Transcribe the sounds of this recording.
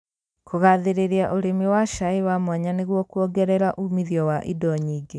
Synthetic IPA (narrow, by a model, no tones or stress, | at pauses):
koɣaðeɾeɾeaʔoɾemiwaʃaewamwaɲaneɣwɔkuɔɡɛɾɛɾaʔumiðjɔwaʔidɔɲiːɡe